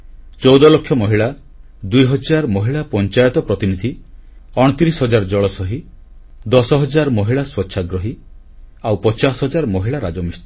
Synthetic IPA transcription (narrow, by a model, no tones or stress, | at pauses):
t͡ʃɔwd̪ɔlɔkʰːjɔmɔɦiɭa | d̪ujɦɔd͡ʒaɾmɔɦiɭapɔnt͡ʃajɔt̪ɔpɾɔt̪inid̪ʱiɔɽ̃ɔt̪iɾisɦɔd͡ʒaɾɔd͡ʒɔɭɔsɔɦi | d̪ɔsɔɦɔd͡ʒaɾɔmɔɦiɭaswɔtːʃʰaɡɾɔɦi | awpɔt͡ʃasɦɔd͡ʒaɾɔmɔɦiɭaɾad͡ʒɔmist̪